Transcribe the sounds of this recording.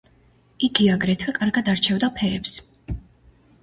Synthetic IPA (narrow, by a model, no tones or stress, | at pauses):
iɡiaɡɾɛt̪ʰwɛkʼaɾɡad̪aɾt͡ʃʰɛvd̪apʰɛɾɛps